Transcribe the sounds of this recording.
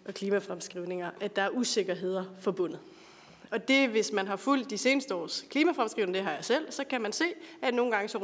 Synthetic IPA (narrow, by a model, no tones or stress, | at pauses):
ʔɒ̽kʰliːmæfʁamsɡ̥ʁiʊ̰ne̝ŋɐæd̥ɑ̈æɐʔuse̝ɡ̥ɐɦe̝ð̰ˠɐfɒ̽b̥ɔ̽n̰ð̩ˠ | ɒ̽d̥e̝ʋe̝smænɦɑ̈ful̰d̥ise̝ːnəsd̥əɒ̰ːskʰliːmæfʁamsɡ̥ʁiʊnəd̥e̝ɦɑ̈jɑ̈sel̰sɒ̽kʰæmænse̝̰ːæno̝ːn̩ɡ̥ɑ̈ŋəsɒ